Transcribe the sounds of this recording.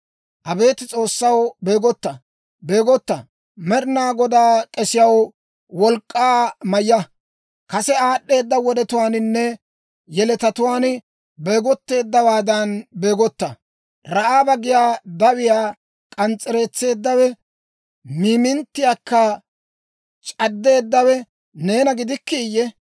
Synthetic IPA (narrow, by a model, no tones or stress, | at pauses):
ʔɐbe̞ːt̪ɪt͡sʼo̞ːsːɐwbe̞ːɡɔt̪ːɐ | be̞ːɡɔt̪ːɐ | mɛɾɪnaːɡɔd̪aːkʼɛsɪjɐw | wɔlkʼːaːmɐjːɐ | kɐsɛaːɗːe̞ːd̪ːɐwɔd̪ɛt̪ʊwaːnɪnːɛ | jɛlɛt̪ɐt̪ʊwaːn | beːɡɔt̪ːe̞ːd̪ːɐwaːd̪ɐnbeːɡɔt̪ːɐ | ɾɐʔaːbɐɡɪjaːd̪ɐwɪjaː | kʼɐnt͡sʼːɛɾe̞ːt͡sːe̞ːd̪ːɐwɛ | miːmɪnt̪ːɪjaːkːɐ | t͡ʃʼɐd̪ːe̞ːd̪ːɐwɛ | ne̞ːnɐɡɪd̪ɪkːijːɛ